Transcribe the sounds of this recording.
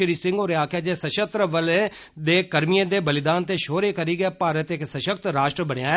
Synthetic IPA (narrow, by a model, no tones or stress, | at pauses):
əɾiːsɪ̃ŋɡoːɾaːkʰjaːd͡ʒeːsəʃət̪ɾəʋəle | d̪eːkəɾmijãːd̪eːbəlɪd̪aːnt̪eːʃoːɾeːkəɾiːɡɛːpaːɾət̪ɪksəʃək̚t̪ɾaːʃʈɾəbəɽ̃ejaː